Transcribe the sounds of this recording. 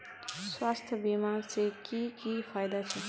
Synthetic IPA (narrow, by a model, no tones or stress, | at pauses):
swast̪ʰjəbimansekikipʰajd̪at͡sʰʌ